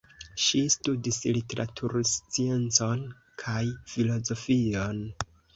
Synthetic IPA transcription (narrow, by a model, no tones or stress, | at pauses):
ʃistudislite̞ɾʔa̰tʰuɾst͡sie̞nt͡so̞n | kʰajfilo̞zo̞fio̞n